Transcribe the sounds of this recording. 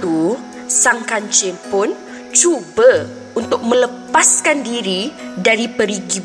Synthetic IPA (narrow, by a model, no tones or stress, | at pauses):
u | saŋkaɲt͡ʃɪnpʊn | t͡ʃubə | unt̪ʊk̚mə̃ləpaskandiɾidaɾipəɾiɡi